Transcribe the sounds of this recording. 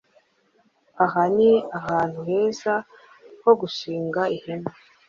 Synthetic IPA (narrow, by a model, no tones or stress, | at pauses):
aɦaniaɦaːnhuheːza | ho̞ɡuʃiːŋɡaihena